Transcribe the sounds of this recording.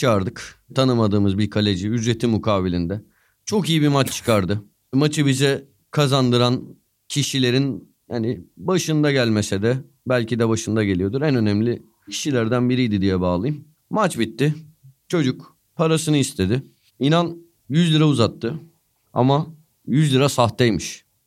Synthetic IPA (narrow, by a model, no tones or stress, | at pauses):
t͡ʃʰɯaɾd̪ɯkt̪ʰanɯmad̪ɯːmɯzbiɾkʰolʲe̞d͡ʒiyd͡ʒɾe̞t̪ʰimukʰaːbilʲind̪ɛ | t͡ʃʰo̞kijibimat͡ʃt͡ʃʰɯ̥kʰaɾd̪ɯ | mat͡ʃʰɯbizɛ | kʰazand̪ɯɾan | cʰiʃilʲe̞ɾin | hanɪbaʃɯnd̪aɟælʲme̞sɛd̪ɛ | bælʲcid̪ɛbaʃɯnd̪aɟe̞lʲijo̞d̪uɾɛnø̞næmlʲɪ | cʰi̥ʃilʲæɾd̪ænbiɾijd̪id̪ijɛbaːlˠɯjɯmː | at͡ʃbit̪ːɪt͡ʃʰo̞d͡ʒuk | pʰaɾasɯnɯist̪ʰe̞d̪ɪ | inan | jyzlʲiɾauzat̪ʰːɯ | a̰ma | jyzlʲiɾasaht̪ejmiʃ